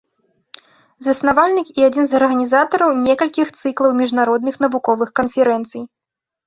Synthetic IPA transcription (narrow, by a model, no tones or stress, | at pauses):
zɐsnavalʲnʲɨkiad͡zʲinzɐrɣɐnʲizat̪ɐɾɐwnʲɛkɐlʲkʲixt̪sɨklˠɐwmʲiʐnaɾɔd̪nɨxn̪ɐvukɔvɨxkɐnfʲɛɾɛnt̪sɨj